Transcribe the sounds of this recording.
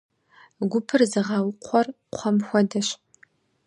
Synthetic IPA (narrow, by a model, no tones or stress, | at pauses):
ɡʷʊpʰɨrzɨʁɐwqʷʰɔr | qʷʰɔmxʷɔdɐɕ